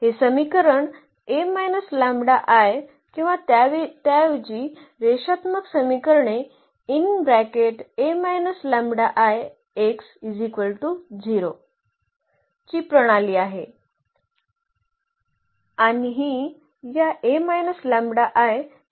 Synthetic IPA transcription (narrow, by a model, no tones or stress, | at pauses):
hesəmikəɾəɳ | emajnəslæ̃mbɽaʔaj | kĩw̃ʋat̪aʋt̪jad͡ʑiː | ɾeɕat̪məksəmikəɾɳe | inbɾækeʈemajnəslæ̃mbɽaʔaj | eksid͡ʑikʋəlʈuːd͡ʑiɾo | t͡ɕipɾəɽ̃aliːaɦe | aniɦi | jaʔemajnəslæ̃mbɽaʔaje